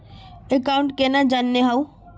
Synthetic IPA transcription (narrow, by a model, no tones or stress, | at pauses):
ekaːʊ̃ɳʈkenad͡ʒaːnːeɦau